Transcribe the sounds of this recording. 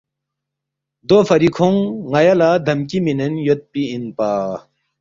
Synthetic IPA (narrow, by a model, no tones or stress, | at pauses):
d̪ofʰɐɾikʰoŋːajalad̪ɐmkiminenjot̪̚piːnpaː